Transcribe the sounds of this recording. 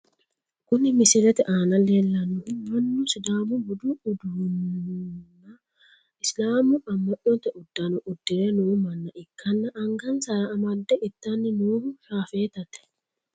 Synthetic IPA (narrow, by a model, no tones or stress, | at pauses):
kʊnɪmɪsɪɾɛt̪ɛʔaːnɐleːlːɐnʊmɐnːʊsɪd̪aːmʊbʊd̪ʊːd̪ʊnː | nːɐ | ɪslaːmʊɐmːɐʔːɔnt̪ːɛʔʊd̪ːɐnʊʔʊd̪ːɪɾɛnuːmɐnːɐʔɪkʰːɐnːɐʔːŋɡɐnsɐɾɐːmɐd̪ːɛʔɪt̪ːɐnːɪnuːhʊsaːfeːt̪ɐt̪ɛ̥